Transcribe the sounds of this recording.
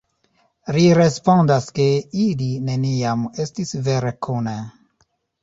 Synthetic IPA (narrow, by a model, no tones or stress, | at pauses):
liɾespondaskeilineniamestisveɾekʰune